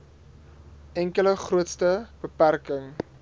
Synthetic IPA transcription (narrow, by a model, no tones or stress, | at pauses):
ʔɛŋkələχruətstəb̥əpærkəŋ